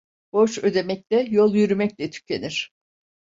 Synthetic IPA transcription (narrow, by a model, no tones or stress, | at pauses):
b̥o̞ʃø̞d̪e̞mɛc̚lʲɛjo̞lˠjyɾymɛclʲɛt̪ʰy̥cʰe̞niɾ̥